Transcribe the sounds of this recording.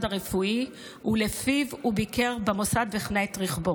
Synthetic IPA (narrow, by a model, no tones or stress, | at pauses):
daʁefui | hulefivubikeʁbemosad̪veχneet̪ʁiχbo